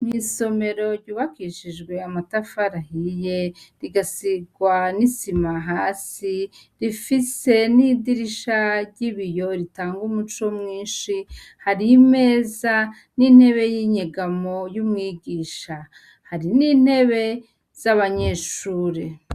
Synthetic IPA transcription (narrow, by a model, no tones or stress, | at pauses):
miso̞me̞ɾo̞ɾɟuːβakiʃiʒɡwe̞amatafaɾahije̞ɾiɡasiɡwanisimaɦaːsiɾifise̞nidiɾiʃaɾɟiβijo̞ɾitaːŋɡumut͡ʃo̞mŋiːnʃi | haɾime̞ːza | nin̥he̞βe̞jiːɲeɡamo̞jumŋiːɡiːʃa | haɾiniːn̥he̞βe̞ | z̥aβaɲe̞ʃuːɾi